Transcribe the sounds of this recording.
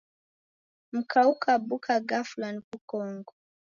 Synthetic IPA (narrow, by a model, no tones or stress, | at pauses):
m̩kʰaukabukʰaɡaflankukɔŋɡɔ